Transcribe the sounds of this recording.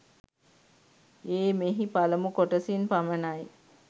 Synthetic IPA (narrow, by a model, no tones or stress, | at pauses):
eːmeɦipaləmukoʈəsinpamənaj